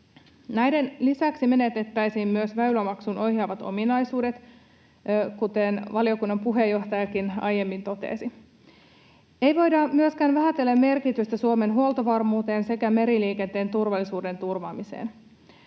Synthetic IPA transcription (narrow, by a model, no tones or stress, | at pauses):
næjde̞nlisæksimenet̪et̪ːæjsiːmmyøsʋæylæmɑksunʔo̞hjɑːʋɑt̪o̞̰minɑjsuːde̞t̪ | kut̪enʋɑlio̞kunːɑmpuɦejːo̞ht̪ɑjɑkinɑ̰je̞mːint̪o̞t̪ḛːsi | e̞jʋo̞jdɑmyøskæːnʋæɦæt̪elːæmːe̞rkit̪yst̪æsuome̞nɦuolt̪oʋɑrmuːt̪e̞ːnse̞kæme̞ɾiliːkent̪e̞ːnt̪urʋɑlːisuːde̞nt̪urʋɑ̰ːmisḛːn